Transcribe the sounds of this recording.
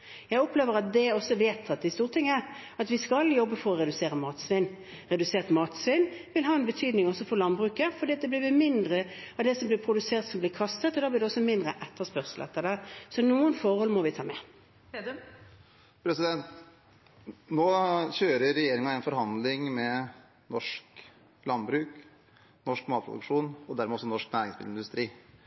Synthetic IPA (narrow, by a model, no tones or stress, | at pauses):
jæɪɔpleːʋəɾɑt̪̚d̪ɛɔsːɔʋeːt̪ʰɑt̪̚d̪ɪst̪uːʁt̪ʰɪŋːəəɾ | ɑt̪ʋɪskɑljɔbːəfɔɾɔʁɛd̪ʉseːɾəmɑːt̪sʋɪnː | ɾɛd̪ʉseːʁt̪mɑːt̪sʋɪnʋɪlɦɑːɛnbət̪ʰyːd̪nɪŋɔsːɔfɔɾlɑnbʁʉːkəfɔʁd̪iːɑt̪̚d̪ɛblɪʋɪmɪnd̪ɾəɑʋd̪ɛsɔmblɪɾpʰɾʊd̪ʉseːʁt̪sɔmblɪːkʰɑst̪ət̪ɔd̪ɑːblɪːd̪ɛɔsɔmɪnd̪ʁəʔɛt̪ːəspœʁslʔə̰t̪ʰːəd̪æsɔnuːənfɔɾhɔlmɔʋɪt̪ʰɑːmɛ | pʰɾɛsɪd̪ɛnt̪ | noːçøːɾəːɛjeːɾɪŋɑæɪnfɔɾhɑnd̪lɪŋmɛ | nɔʂk | lɑnbɾʉːk | nɔʂkmɑːt̪pʰɾʊ̰d̪̰kʂuːnɔd̪æɾmɛɔsɔnɔʂknæːɾɪŋsbɪ̰ɪnd̪ʉst̪ɾiː